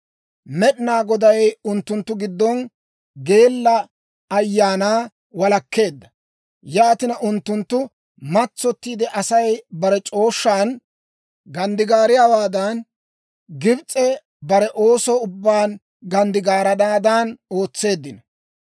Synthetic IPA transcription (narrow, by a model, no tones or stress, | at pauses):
mɛɗɪnaːɡɔd̪ɐjʊnt̪ːʊnt̪ːʊɡɪd̪ːɔn | ɡe̞ːlːɐ | ɐjːaːnaː | wɐlɐkːe̞ːd̪ːɐ | jaːt̪ɪnɐʔʊnt̪ːʊnt̪ːʊ | mɐt͡sːɔt̪ːiːd̪ɛʔɐsɐjbɐɾɛt͡ʃʼo̞ːʃːaːn | ɡɐnd̪ɪɡaːɾɪjaːwaːd̪ɐn | ɡɪbt͡sʼːɛ | bɐɾɛʔo̞ːsɔʊbːaːn | ɡɐnd̪ɪɡaːɾɐd̪aːd̪aːno̞ːt͡sːe̞ːd̪ːɪnɐ